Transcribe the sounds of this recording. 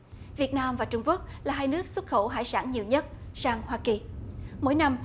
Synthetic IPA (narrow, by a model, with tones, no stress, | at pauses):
vi˨˩ət̚naː˧mvaː˨˩t͡ɕʊ˧ŋ͡mku˦˥ək̚laː˨˩ɦaː˧jnɨ˦˥ək̚swə˦˥t̚xə˧˩wɦa̰ː˧˥jsaː˧˥nɲi˨˩əwɲə˦˥t̚saː˧ŋhwaː˧ki˨˩mo̰˧˥jna˧m